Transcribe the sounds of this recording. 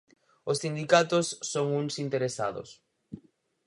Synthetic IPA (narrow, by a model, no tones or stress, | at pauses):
osθind̪ikat̪ʊsːoŋuŋsint̪eɾesa̰ðʊ̰s